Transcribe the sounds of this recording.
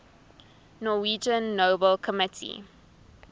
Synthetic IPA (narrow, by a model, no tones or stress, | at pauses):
nɔwiːd͡ʒə̃nːoːbəlkʰəmɪtʰḭ